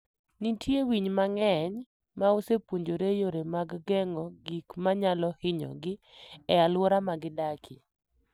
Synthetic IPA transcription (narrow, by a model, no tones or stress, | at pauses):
nitjewiɲmaŋɛɲ | maosepwoɲd͡ʒoɾejoɾemaɡɡɛŋɔɡikmaɲalɔhɪɲɔ̰ɡɪ | ɛalwɔɾamaɡɪdakʰɪ̰